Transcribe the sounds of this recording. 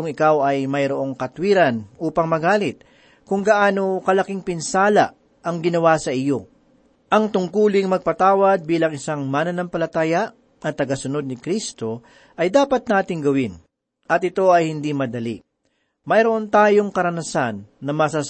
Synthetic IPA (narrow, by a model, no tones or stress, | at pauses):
kʊŋɪkawɐjmɐjɾoʔo̞ŋkɐt̪wiːɾɐnʔuːpɐŋmɐɡaːlɪt̪̚ | kʊŋɡɐʔaːno̞kɐlɐkɪŋpɪnsaːlɐ | ʔɐŋɡɪnɐwasɐʔɪjo̞ | ʔɐŋt̪ʊŋkuːlɪŋmɐɡ̚pɐt̪aːwɐd̪̚biːlɐŋɪsaŋmaːnɐnɐmpɐlɐt̪aːjɐʔ | ɐt̪ːɐɡɐsʊno̞d̪̚nɪkɾist̪o̞ | ʔɐjd̪aːpɐt̪̚naːt̪ɪŋɡɐwɪn | ʔɐt̪̚ɪt̪o̞ɐjhɪnd̪imɐd̪ɐli | mɐjɾoʔo̞nt̪aːjo̞ŋkɐɾɐnɐsanːɐmɐsa